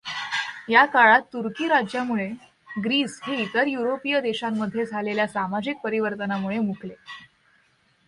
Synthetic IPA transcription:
jakaɭat̪ːuɾkiːɾad͡ʑjamuɭe | ɡɾiːsɦeit̪əɾjuɾopijəd̪eɕamːəd̪ʱːjed͡zʱaleljasamad͡ʑik̚pəɾiʋəɾt̪ənamuɭemukle

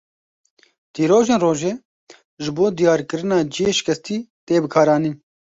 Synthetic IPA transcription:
t̪iːɾoːʒeːnroːʒeː | ʒɪboːd̪ijɑːɾkɨɾɨnɑːd͡ʒijeːʃɪ̥kɛst̪iːt̪eːbɨkʰɑːɾɑːniːn

